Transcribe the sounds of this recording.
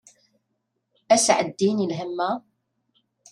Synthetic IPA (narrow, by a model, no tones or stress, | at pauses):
æsʕəd̪ːinilɦəmːæ